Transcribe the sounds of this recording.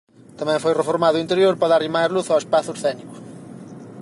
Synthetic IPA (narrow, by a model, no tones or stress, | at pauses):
t̪amɛ̃ŋfojrefoɾmaðʊint̪eɾjoɾpaðaɾimajɾluθaespaθʊsθɛniɣʊ